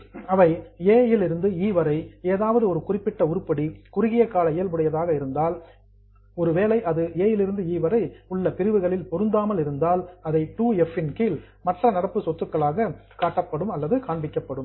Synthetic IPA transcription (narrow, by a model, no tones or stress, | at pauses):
ɐʋɐɪeːjɪlɪɾɯnd̪ɯiːʋɐɾɐɪeːðaːʋɐðɯɔɾɯkʊrɪpːɪʈːɐʊɾɯpːɐɽikʊɾɯɣɪjɐkaːlɐɪjɐlbɐɽɐjɐðaːɣɐɪɾɯnd̪aːl | ɔɾɯʋeːlɐɪʔɐðɯeːjɪlɪɾɯnd̪ɯiːʋɐɾɐɪʊɭːɐpɪɾɯʋɯɣɐɭɪlpɔɾɯnd̪aːmɐlɪɾɯnd̪aːlɐðɐɪʈuːɛfɪnkɪːl | mɐʈrɐnɐɽɐpːɯsɔt̪ːɯkːɐɭaːɣɐkaːʈːɐpːɐɽɯmɐlːɐðɯkaːɳbɪkːɐpːɐɽɯm